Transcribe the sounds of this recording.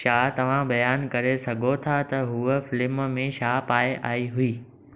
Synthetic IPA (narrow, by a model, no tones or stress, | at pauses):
ʃaːt̪ɐʋ̤ãbɐjaːnkɐɾesɐɡʱot̪ʰat̪ɐɦuːəfɪlɪmmẽʃaːpaːjeʔaːiɦʊiː